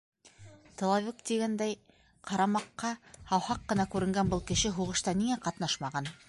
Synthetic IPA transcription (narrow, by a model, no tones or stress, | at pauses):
t̪ŏlˠɑvʲikt̪iɡænd̪æj | qɑɾɑmɑqːɑhɑwhɑqːɤ̆nɑkʉɾɘ̆ŋɡænbɤlˠkɘ̆ʃɘɦuʁɤ̆ʃt̪ɑniŋæqɑt̪nɑʃmɑʁɑn